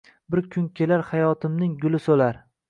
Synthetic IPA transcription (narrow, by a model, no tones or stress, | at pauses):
bɪɾkʲʰʊŋkʲʰe̞laɾhajɒt̪ʰɪmnɪŋɡʊlɪsolaɾ